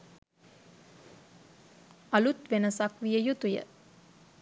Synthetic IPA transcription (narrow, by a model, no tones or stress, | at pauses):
alut̪ʋenəsakʋijəjut̪ujə̰